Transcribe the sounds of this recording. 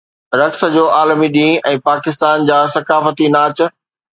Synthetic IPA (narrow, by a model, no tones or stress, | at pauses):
ɾɐksə̆d͡ʑoːʔaːlmiɗĩːʔɛ̃ːpaːkɪst̪aːnd͡ʑaːsɐkaːfət̪inaːt͡ɕ̆